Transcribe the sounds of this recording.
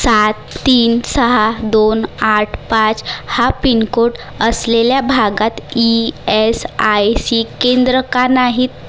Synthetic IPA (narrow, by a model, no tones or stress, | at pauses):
sat̪ːiːnsəɦad̪onaʈʰpãt͡shapinkoʈ | əsleljabʱaɡat̪iesajsikẽnd̪ɾəkanaɦit̪̚